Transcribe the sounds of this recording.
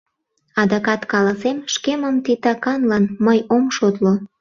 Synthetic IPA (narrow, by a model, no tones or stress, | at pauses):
ɑd̪ɑkɑt̪kɑlɑsemʃkeməmt̪it̪ɑkɑnlɑnməjomʃot̪lo